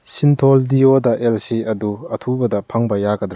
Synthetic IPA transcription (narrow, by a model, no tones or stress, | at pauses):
sint̪ʰoldiodɐʔelsiɐduɐtʰubɐdɐpʰɐŋbɐjaɡɐd̪ɾ